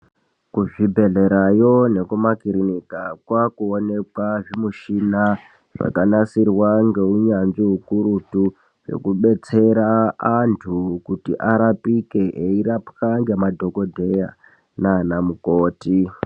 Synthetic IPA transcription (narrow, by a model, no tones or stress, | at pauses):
kuʐibʱe̞ɮe̞ɾajo̞ne̞kumakiɾinikakwakuonekwaʐimuʃina | ʐ̥a̰kanasirwaŋɡe̞uɲanʐiɦukuɾutu | ʐo̞̰kuɓe̞t͡se̞ɾaantʰukutḭʔaɾapikeʔeirapkaŋɡe̞madʱo̞ko̞dʱe̞ja | nanamukoːti